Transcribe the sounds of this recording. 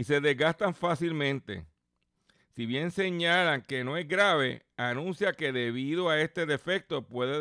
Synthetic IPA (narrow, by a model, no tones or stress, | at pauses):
ise̞ðe̞zɡast̪aɱfasilmẽ̞nt̪e̞̰ | siβje̞nse̞ɲalaŋke̞no̞e̞zɡɾaβe̞̰anũnsjake̞ðe̞βiðo̞ae̞st̪e̞ðe̞fe̞k̚t̪o̞pwe̞ðe